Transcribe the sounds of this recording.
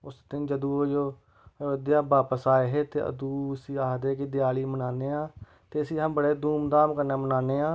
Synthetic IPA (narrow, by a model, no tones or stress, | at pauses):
ʊsd̪ɪnd͡ʒəd̪uːoːd͡ʒoː | d̪jaːbaːpəsaːeːɦeːt̪ḛːə̰d̪uːəsĩːaːd̪eːkɪd̪ɪjaːliːmənaːneːãː | t̪eːəsĩːɦə̃mbəɽeːd̪uːmd̪aːmkəɾneːmənaːneːãː